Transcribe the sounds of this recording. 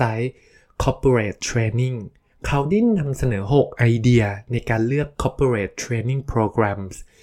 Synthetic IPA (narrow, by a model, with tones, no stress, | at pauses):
a˦˥j | kʰɔː˦˥pʰːi˧ɾeː˨˩t̪ʰːɾeː˧ni˥˩ŋ | kʰa˦˥wda˥˩jna˧msa˧nɤː˩˦ɦo˨˩k̚ʔa˧jdi˧ɐna˧jkaː˧nlɯ˥˩əkʰːɔː˦˥pʰːi˧ɾeː˨˩t̪ʰːɾeː˧ni˥˩ŋpʰɾoː˧kɾa˧ms